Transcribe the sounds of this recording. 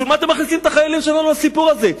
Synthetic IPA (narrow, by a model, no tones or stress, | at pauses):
ulmat̪emːaχnisimet̪aχajalimʃealanuasipuʁaze̞